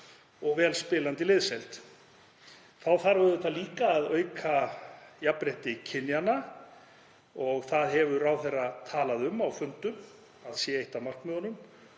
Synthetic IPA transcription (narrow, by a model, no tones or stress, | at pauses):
ɔɣvɛːlspɪːlant̪ɪlɪðsɛlt̪ | θawθaɾvʏɾðɛt̪ːaliːkaːðœːɥkʰajapɾeht̪ɪcʰɪnːjana | ɔɣθaðɦɛvʏraːwθerat̪ʰaːlaðʏmawfʏnt̪ʏm | aðsjɛejht̪awmar̥knmœðanʏm